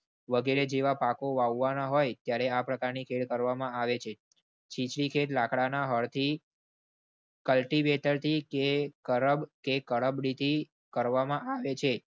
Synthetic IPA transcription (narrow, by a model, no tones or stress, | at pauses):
ʋəɡeɾed͡ʒeʋapakoʋaʋːanaɦojt̪jaɾeapɾəkaɾnikʰeɭkəɾʋamãaʋet͡ʃʰe | t͡ʃʰit͡ʃɽikʰeʈlakɽanaɦəɭt̪ʰi | kəlʈiʋeʈəɾt̪ʰikekəɾəbkekəɽəbɽit̪ʰi | kəɾʋamãʔaʋet͡ʃʰe